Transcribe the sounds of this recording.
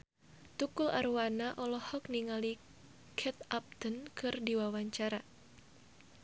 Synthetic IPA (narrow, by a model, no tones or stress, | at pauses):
t̪ukula̰ɾwanaʔɔlɔhɔk̚niŋali | kʰɛt̪ap̚t̪ənkɨrdiwawaɲt͡ʃaɾa